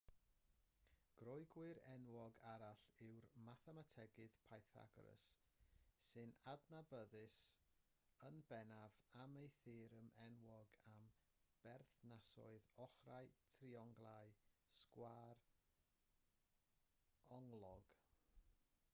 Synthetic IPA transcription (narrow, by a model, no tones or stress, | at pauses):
ɡ̥rɔjɡwɨɾɛnwɔɡaɾaɬɪwrmaθɛmatʰɛɡɪðpʰajθa̰ɡɾə̰sː | ɨnadnabəðɨs | ənbɛnavamejθɪːɾəmɛnwɔɡam | b̥ɛrθnasɔ̰ɨðɔχraɨtʰriɔŋɡlˠajskwar | ɔŋlˠɔɡ̥